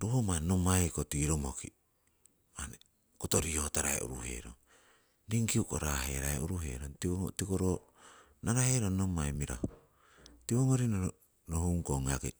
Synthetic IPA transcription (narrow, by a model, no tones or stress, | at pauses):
ɾuhomanomajkotiɾomoki | mane | kotoɾiotaɾaḛʔṵɾuhe̞̰ɾoŋ | diŋkiukoɾaheɾaeʔuɾuɦḛɾontiŋotikoɾo | naɾaheɾonomajmiɾa̰ho | tiβoŋoɾino | nohuŋkoŋake